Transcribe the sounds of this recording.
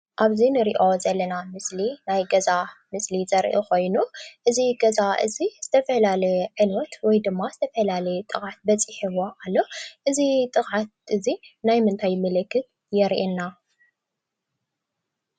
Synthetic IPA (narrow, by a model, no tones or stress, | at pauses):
ʔaβzinɨɾiʔo̞zɐlːɐnamɨslinajɡɐzamɨslizɐɾʔo̰ko̞jnuʔɨziɡɐzaʔɨ̰ziz̥ɨt̪ʰɐfɐlalɐjʕɨnɔt̪wɔjd̪ɨmːazɨt̪ʰɐfɐlalɐjt̪ʼɨɣʕat̪̚bɐt͡sʼiħiwoʔalːo̞ʔɨzit̪ʼɨɣʼʕat̪̚ʔɨzinajmɨnt̪ʰajmɐlɨkːɨt̪̚ | jɛɾʔenːa